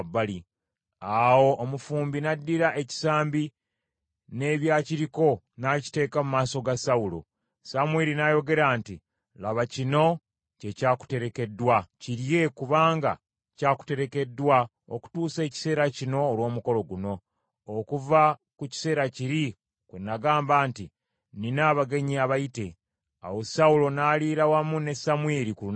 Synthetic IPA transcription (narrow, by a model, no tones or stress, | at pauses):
bːali | awo̞ʔːmufuːmbinadːiɾaʔe̞ci̥saːmbi | ne̞ːβjaːciɾiko̞ | naci̥te̞ːkamumaːso̞ɡasaulo̰ | samweɾinajo̞ɡe̞ɾaːnti | laβacino̞ | ce̞caːku̥te̞ɾe̞ke̞dːwaciɾje̞kuβaːŋɡa̰ | caːku̥te̞ɾe̞ke̞dːwa | o̰ku̥tuːse̞ːci̥se̞ːɾacino̞ːlwo̞ːmuko̞lo̞ɡuno̞ː | kuva | kuci̥se̞ːɾaciɾi | kwenːaɡaːmbaːnti | ninaːβaɡe̞ɲiaβaite̞ | a̰wo̞saulo̞naːliːɾawamune̞samweɾiku